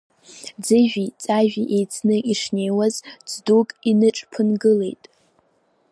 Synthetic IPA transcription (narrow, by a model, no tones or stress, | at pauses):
d͡zɨʒᶣit͡sʼaʒᶣiʔe̞jt͡sʰnɨʔiʂne̞jwazt͡sdukʼinɨʈ͡ʂʼpʰɨnɡɨle̞̰jtʼ